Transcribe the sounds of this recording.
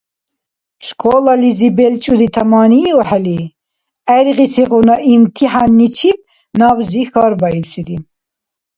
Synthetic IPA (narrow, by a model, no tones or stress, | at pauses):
ʃkʰɔːlɑlizibɛlt͡ʃʼud̪it̪ʰamɑːniɔħɛli | ɛɾʁisiʁunaʔimt̪ʰiħanːit͡ʃʰib̚ | nɑːwzixɑːɾbɑiwsid̪i